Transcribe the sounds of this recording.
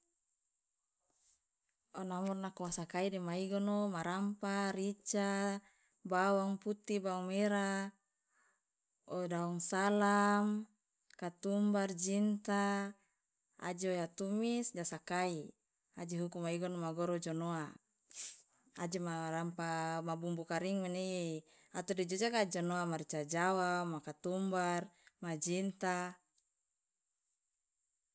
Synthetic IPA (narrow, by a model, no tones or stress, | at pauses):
ɔnamurnakuasakaidimaiɡɔnomaɾampaɾit͡ʃa | bawaŋput̪ibawaŋmeɾa | ɔdaɔŋsalam | kat̪umbard͡ʒint̪a | a̰d͡ʒojat̪umisd͡ʒasakai | ad͡ʒiɦukumaiɡɔnmaɡɔɾɔd͡ʒɔnoa | ad͡ʒimaɾampamabumbukaɾiŋmane | at̪ɔdid͡ʒɔd͡ʒakad͡ʒɔnoamart͡ʃad͡ʒawamakat̪umbarmad͡ʒint̪a